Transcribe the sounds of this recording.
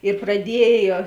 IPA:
ɪr prɐˈdʲiɛjoː

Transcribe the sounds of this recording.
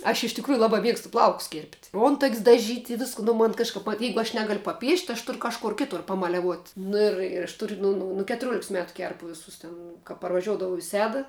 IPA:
ɐʃ ɪʃ tʲɪkˈruːjʊ ˈlˠɑːbɐ ˈmʲiɛkstʊ ˈplˠɐʊkʊs kʲeːrʲpʲtʲ ˈoːntɐkʲsʲ dɐˈʒʲiːtʲ ɪ ˈʋʲɪskʊ nʊ ˈmoːn kɐʃˈkɐp ʋɐ ˈjɛɪɡʊ ɐʃ ˈnʲæːɡɐlʲ pɐˈpʲiɛʃʲtʲ ɐʃ ˈtʊr kɐʃˈkoːr ˈkʲɪtʊr pɐmɐlʲɛˈʋuɔtʲ nʊ ɪr ɪr ɐʃ tʊrʲ ˈnʊ nʊ nʊ kʲɛtʊˈrʲuɔlʲɪks ˈmʲæːtʊ ˈkʲɛrpʊ ˈʋʲɪsʊs tʲɛn kɐ pɐrʋɐˈʒʲuɔdɐʋɐʊ ɪ ˈsʲæːdɐ

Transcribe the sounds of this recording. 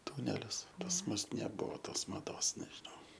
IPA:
ˈtʊnʲɛlʲɪs pɐs ˈmʊs nʲɛˈbʊʋoː ˈtoːs mɐˈdoːs nʲɛʒʲɪˈnɐʊ

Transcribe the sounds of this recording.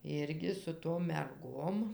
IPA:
ˈɪrʲɡʲɪ sʊ toːm mʲɛrˈɡoːm

